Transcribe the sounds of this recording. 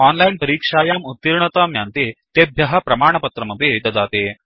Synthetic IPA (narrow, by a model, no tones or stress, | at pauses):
ɔnlainpɐɾiːkʂaːjaːmut̪ːiɾɳɐt̪amjant̪et̪ebʱjɐɦɐpɾɐmaːɳ̃ɐpɐt̪ɾɐmɐbʱet̪ɐd͡zaːt̪eː